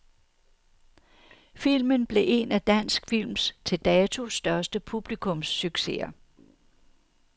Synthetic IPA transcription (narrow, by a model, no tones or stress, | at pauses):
fil̰mənb̥le̝ʔe̝næd̥æn̰sɡ̥fil̰mst͡sʰe̝ld̥ɛːt͡sʰo̝sd̥ɶɐsd̥əpʰub̥likʰɔ̽msːyɡ̥se̝ɐ